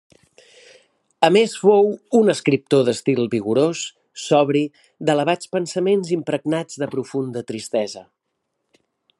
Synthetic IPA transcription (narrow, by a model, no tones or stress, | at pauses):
əmesfowunəskɾip̚t̪oðəst̪ilˠβiɣuɾosː | ɔβɾi | d̪ələβ̞at͡spənsəmenzimpɾəɡnad͡zðəpɾufund̪ət̪ɾist̪ɛzə